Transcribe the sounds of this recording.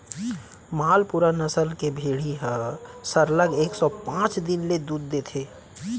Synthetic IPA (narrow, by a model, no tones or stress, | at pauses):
maːlpuɾanəsəlkebʱeːɽ̤iɦəsəɾləɡeːksɔpãːt͡ʃd̪ɪnled̪uːd̪ːet̪ʰeː